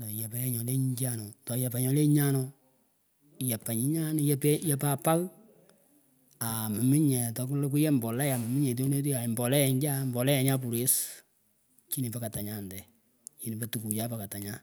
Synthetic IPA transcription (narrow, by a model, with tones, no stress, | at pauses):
dɔ˨jɛ˨pa˨jɛ˦ɲɔ˨le˦ɲɡa˦nɔ˨tɔ˨jɛ˨pa˨ɲɔ˨˦le˦ɲa˦nɔ˦˨ | jɛ˨pa˨ɲi˦ɲa˦n˦jɛ˦pɛ˦jɛ˦pa˦pa˦ɣ | a˨ma˨mi˦ɲɛ˨tɔ˧ku˦lk̬u˦jɛ˦mbɔ˨la˦ja˨ma˨mi˦ɲɛ˨t̬o˦ne˦t̬i˦a˨i˨mbɔ˨lɛ˦jɛ˨ɲɡa˦mbɔ˨lɛ˦ja˨˦ɲa˦p̬u˨ɾe˦s | t͡ʃi˦ni˨pa˨ka˨ta˨ɲa˨ndɛ˨ | t͡ʃi˨ni˨pa˨tu˨ku˨ja˦pa˨ka˨ta˨ɲa˦